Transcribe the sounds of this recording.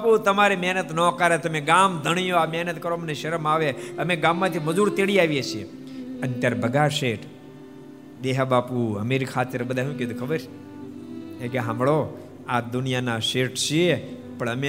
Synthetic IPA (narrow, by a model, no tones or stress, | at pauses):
aput̪əmaːɾimɛɦnət̪nõkaːɾet̪əmẽɡaːmd̪ʱəɳ̃ijoamɛɦnət̪kəɾomneʃɐɾəmaːʋeəmẽɡãːmːãt̪ʰiməd͡ʒuːɾt̪eɽiaːʋijet͡ʃʰie | ənt̪jaːɾbʱəɡaʃeʈ | d̪eɦabaːpuɦəmeɾikʰaːt̪ːəɾbəd̪ʱaɦũket̪ukʰəbəɾ | ẽkeɦãmɭo | ad̪ʊnijanaʃeʈt͡ʃʰie | pəɳəmẽ